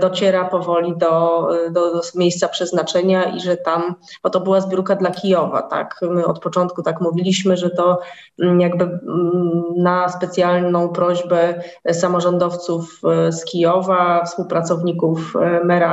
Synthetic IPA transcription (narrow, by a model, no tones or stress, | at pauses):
d̪ɔt͡ɕɛɾapɔvɔlʲid̪ɔd̪ɔmʲjejst̪sapʂɛznat͡ʂɛɲaḭʐɛt̪am | b̥ɔt̪ɔbɘwazbʲjuɾkad̪lakʲijɔva̰t̪a̰kmɘɔ̰t̪̚pɔt͡ʂɔnt̪̚kut̪akmuvʲilʲiɕmɘʐɛt̪ɔ | jaɡbɘ | naspɛt̪sʲjalnɔ̃w̃pɾɔʑbɛsamɔʐɔnd̪ɔft̪sufskʲijɔvafspuwpɾat̪sɔvɲikufmɛɾa